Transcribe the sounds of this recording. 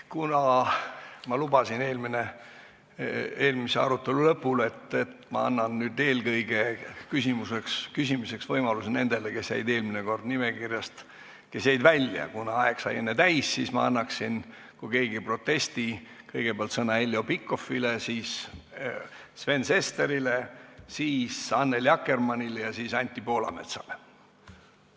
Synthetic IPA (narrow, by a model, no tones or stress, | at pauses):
kunɑ | mɑlubɑsine̞ːlmine | e̞ːlmiseɑ̰ɾut̪ːˑe̞lulɤpːule̞t̪ːet̪mɑ̰ɑnːɑnnyːd̪e̞ːlɡɤjɡ̥ekysimusekskysʲimise̞ksvɤjmɑlusene̞nd̪̥e̞leke̞sjæ̰jd̪e̞ːlmineko̞rd̪̥nimekirjɑst̪ | ke̞sjæjd̪vælʲjɑ̰kunɑɑeksɑ̰je̞nːet̪æjsːismɑ̰ɑnːɑksin | kuke̞ːɡ̥ipro̞t̪ːe̞st̪i | kɤjɡ̥e̞peɑlt̪sɤnɑelːjo̞pikːˑo̞filesiːs | sve̞nse̞st̪eɾilesiːsɑnːe̞ljɑkːe̞rmɑnʲilejɑsiːsɑnʲt̪ʲˑːipo̞ːlɑ̰mḛt̪sɑ̥̰le